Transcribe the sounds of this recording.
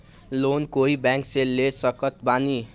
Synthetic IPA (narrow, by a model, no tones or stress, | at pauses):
lonkoɦibãŋkselːesʌkʌt̪̚bani